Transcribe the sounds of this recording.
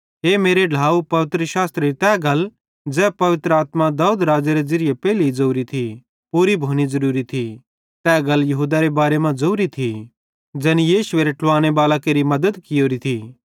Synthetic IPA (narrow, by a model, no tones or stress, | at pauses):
ɦeːmeːɾeɖʱaːupɐʋɪt̪ɾəʃaːst̪ɾeit̪ɛːɡɐl | d͡zɛːpɐʋɪt̪ɾəaːt̪mad̪aːud̪ɾaːd͡ʒeɾed͡zɪɾɪjepɛːliid͡zoːɾit̪ʰi | puːɾibʱoːñizɐɾuːɾit̪ʰi | t̪ɛːɡɐljɐɦuːd̪aɾebaːɾemãd͡zoːɾit̪ʰi | d͡ʒɛːnijeːʃʊʋeɾeʈʰʊʋaːñebaːlakeːɾimɐd̪əd̪kɪjoːɾit̪ʰiː